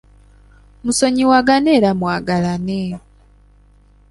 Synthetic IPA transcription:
muso̞ɲiwaɡaneːɾamwaːɡalane

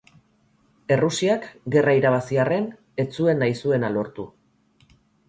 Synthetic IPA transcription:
e̞rusiakɡe̞raiɾaβ̞asiare̞n | e̞t͡sue̞nːajsue̞nalo̞ɾt̪u

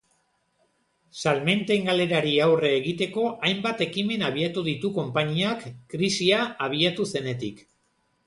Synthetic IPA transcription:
salme̞nt̪e̞ŋɡale̞ɾaɾiawre̞ːɣit̪e̞ko̞ʔajmbat̪e̞kime̞naβiat̪uðit̪uko̞mpaɲiakːɾisiaaβ̞iat̪use̞ne̞t̪ik

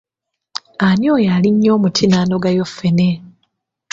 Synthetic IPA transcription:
anjoːjaːliɲːo̞ːmutʰinaːno̞ɡajo̞fːene

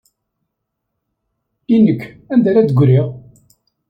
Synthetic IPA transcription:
inːəkː | ænd̪æɾæd̪əɡʷɾiʁ

